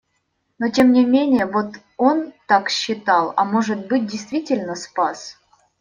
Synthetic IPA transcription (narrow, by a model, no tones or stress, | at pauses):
notʲe̞mnʲɪmʲenʲɪjəvot̪ | o̞nt̪akɕːɪt̪ɑlˠa̰moʐɨt̪̚bɨt̚ʲdʲɪjst̪vʲitʲɪlʲnəspas